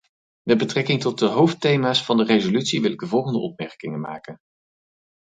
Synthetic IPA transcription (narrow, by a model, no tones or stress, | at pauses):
mɛd̚bətrɛkɪŋtɔt̚dəɦowftejmaːsfɑndərejzolytsiʋɪlɪɡdəvɔlˠχəndəʔɔp̚mɛɹkɪŋənma̰ːkən